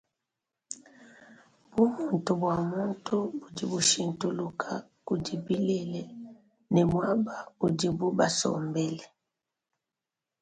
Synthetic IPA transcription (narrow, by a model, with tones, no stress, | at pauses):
bu˦mu˨ntu˨bwa˨mu˦ntu˦bu˨di˨bu˨ʃi˨ntu˨lu˨kʰa˨ku˨di˨bi˦lɛ˨lɛ˦˨ | nɛ˨mwa˦ba˨u˨di˨bu˦ba˨sɔ̰˨mbɛ˦lɛ˨